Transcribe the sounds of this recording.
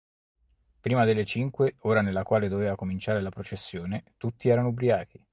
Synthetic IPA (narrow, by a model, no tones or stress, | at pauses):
pɾiːmad̪elːet͡ʃiŋkweoːɾanelːakwaːled̪oveːvakomint͡ʃaːɾelapɾot͡ʃesːjoːnet̪ut̪ːiɛːɾanoubɾiaːki